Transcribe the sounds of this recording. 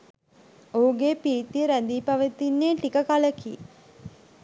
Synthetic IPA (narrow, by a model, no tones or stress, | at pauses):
ouɡeːpiːt̪iəɾæd̪iːpaʋət̪ːinːeːʈikəkaləkḭ